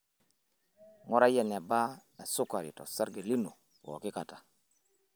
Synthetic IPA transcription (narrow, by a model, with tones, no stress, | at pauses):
ŋɔ˦ɾa˦ja˨ne˨ba˦e˨su˦ka˨ɾḭ˨tɔ̰˨sa˦ɾɡe˨li˦no˨ | wo̰˨ki˦ka˨tḁ˨